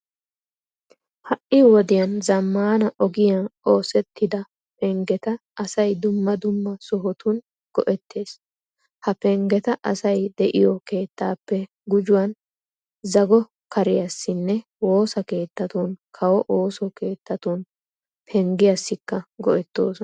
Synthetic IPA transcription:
hɐʔɪwɔd̪ɪjɐnzɐmːaːnɐʔɔɡɪjɐo̞ːsɛt̪ːɪd̪ɐ | pɛŋɡɛt̪ɐːsɐjd̪ʊmːɐd̪ʊmːɐsʊɦɔt̪ʊn | ɡ̥ɔʔɛt̪ːe̞ːs | hɐpɛŋɡɛt̪ɐʔɐsɐjd̪ɛʔɪjɔke̞ːt̪ːaːpːɛ | ɡʊd͡ʒʊwɐn | zɐɡɔ | kɐɾɪjɐsːɪnːɛ | wo̞ːsɐke̞ːt̪ːɐt̪unkʰɐwɔʔoːsɔke̞ːt̪ːɐt̪un | pʰɛŋɡɪjɐsːɪkːɐɡɔʔɛt̪ːoːsɔ

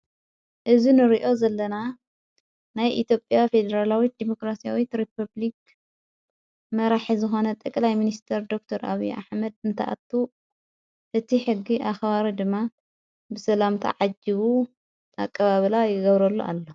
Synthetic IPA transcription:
ʔɨzinɨɾiʔo̞zɐlːɐna | najʔit̪jo̞pʼːjafe̞d̪ɐɾalawid̪imo̞kɾasijawit̪ɾipʰɐβlik | mɐɾaħizɨxo̞nɐt̪ʼɐkʼlajminist̪ʰɐɾd̪o̞k̚t̪ʰɐɾʔa̰βiʔa̰ħmɐd̪ɨnt̪ʰɐ̰ʔa̰t̪ʰːu | ʔɨt̪ʰiħɨɡːiʔaxβaɾid̪ɨmːa | bɨsɐlamt̪ʰa̰ʕad͡ʒiβu | akʼːɐβaβlajɪɡɐβɾɐlːuʔa̰lːo

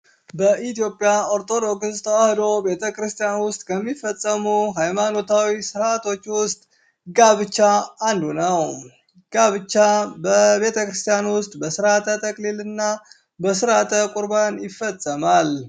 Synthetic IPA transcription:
bəʔit̪ijo̞pʼjao̞ɾt̪ʰo̞d̪o̞kst̪ʰəwahɨd̪o̞be̞t̪ʰəkɾɨst̪ʰʼijanwʊst̪ʼkʰəmːifːəsʼːəmuɦajmano̞t̪ʰawisɨɾat̪ʰo̞t͡ʃːwʊst̪ʼ | ɡaβɨt͡ʃːaːnd̪unəw | ɡ̥aβɨt͡ʃːabəβe̞t̪ʰəkɾɨst̪ʰijanwʊst̪ʼbəsɨɾat̪ʰət̪ʰəkʼlilɨnːa | bəsɨɾat̪ʰəkʼuɾbanjɪfːəsʼːəmal

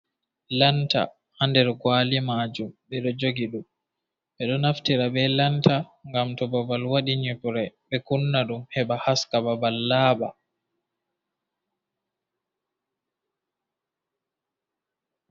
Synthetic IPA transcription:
lanta̰ | handɛɾɡwalimaːd͡ʒumɓɛɗɔd͡ʒoɡiɗum | ɓɛɗɔnaftiɾabɛlantaŋɡamtɔbabalwaɗiɲupɾɛbɓɛkunːaɗumhɛbahaskababalːaːba̰

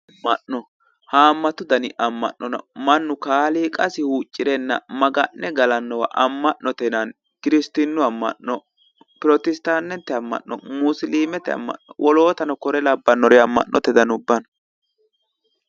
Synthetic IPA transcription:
mɐʔnɔ | haːmːɐt̪ʊd̪ɐnɪʔɐmːɐ̰nːɔnɐ̰mɐnːʊkaːliːkʼɐsɪhuːt͡ʃʼːɪɾɛnːɐmɐɡɐnːɛɡɐlɐnːɔwɐ̰ʔɐmːɐʔnɔt̪ɛnɐn | kɪɾɪst̪ɪnːʊɐmːɐ̰ʔːɔ | pɪɾɔt̪ɪst̪aːnːɛnt̪ːɛɐmːɐ̰ʔːɔ̰mʊsɪliːmɛt̪ɛɐ̰mːɐ̰ʔːɔ̰wʔɔlo̞ːt̪ɐnɔkɔɾɛlɐbːɐnːɔɾɛɐmːɐ̰ʔnːʔɔ̰t̪ɛd̪ɐnʊbːɐnɐ

